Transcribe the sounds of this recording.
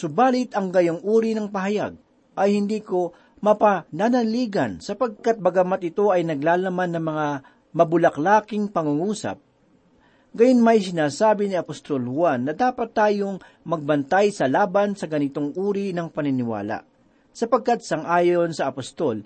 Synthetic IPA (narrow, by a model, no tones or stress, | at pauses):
sʊbaːlɪt̪ɐŋɡɐjoŋʔuːɾinɐŋpɐɦɐja̰ɡ̚ | ʔɐjhɪnd̪iːko̞ | mɐpɐnanɐliːɡɐnsɐpɐɡ̚kat̪̚bɐɡɐmat̪̚ɪt̪o̞ɐjnɐɡlaːlɐmanːɐŋmɐŋa | mɐbʊlɐklaːkɪŋpɐŋuŋuːsɐ̰p̚ | ɡɐjonmɐjs̬ɪnaːsaːbɪniɐpost̪olhʊwanːɐd̪aːpɐt̪ːaːjo̞ŋ | mɐɡ̚bɐnt̪ajsɐlaːbɐnsɐɡɐnɪt̪oŋʔuːɾinɐŋpɐnɪnɪwa̰ːla̰ | sɐpɐɡ̚kat̪̚sɐŋʔaːjoonsɐʔɐpɐst̪o̞l